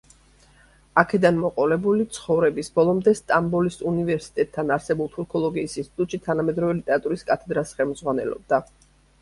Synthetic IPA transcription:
akʰɛd̪anmɔqʼɔlɛbulit̪sʰχɔvɾɛbisbɔlˠɔmd̪ɛst̪ʼambɔlisunivɛɾsi̥t̪ʼɛt̪ʰːanaɾsɛbulˠt̪ʰuɾkʰɔlˠɔɡiːsinst̪ʰʼit̪ʼut̪ʼʃit̪ʰanamɛd̪ɾɔvɛlit̪ʼɛɾat̪ʼuɾiskʼat̪ʰɛd̪ɾasχɛlˠmd̪zʁwanɛlɔ̰b̚d̪a

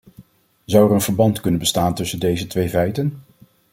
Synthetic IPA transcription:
zɑwɛɹənvəɹbɑntkɵnənbəstaːntɵsəndejzətʋejvɛjtən

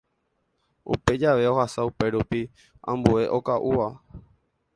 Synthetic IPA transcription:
ṵpe̞d͡ʒaʋe̞o̞hasaupe̞ɾupi | ã̰mbue̞ʔo̞kaʔuʋa

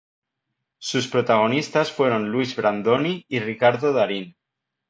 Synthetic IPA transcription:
suspɾot̪aɣ̞o̞nist̪asfwe̞ɾo̞nluizβɾand̪oniirikaɾðoðaɾin

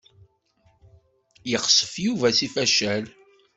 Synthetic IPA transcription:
jəχsˤə̥fjuvæsifæʃæl

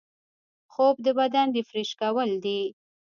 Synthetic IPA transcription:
xob̚d̪əbad̪and̪efɾeʃkawəld̪i

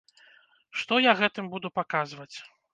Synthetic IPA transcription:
ʂt̪ɔjaɣɛt̪ɨmbud̪upakazvɐt͡sʲ

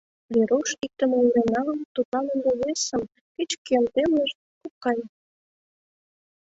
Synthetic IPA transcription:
βeɾoʃik̚t̪əmeyɾenɑləmt̪ut̪lɑnənd̪eβesəm | ket͡ɕkelt̪emleʃ | kukːɑj

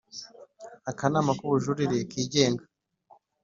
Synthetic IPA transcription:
akanamakuβuʒuɾiɾekiːɟe̞ːŋɡa

